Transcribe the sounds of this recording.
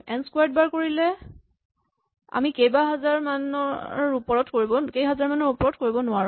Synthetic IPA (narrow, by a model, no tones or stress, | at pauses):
ɛnskwajd̚baɹkoɹilɛ | a̰mikejbaɦazaɹmanɔɹupɔɹɔtkoɹibɔkejɦazaɹmanɔɹupɔɹɔtkoɹibɔnʊwaɹũ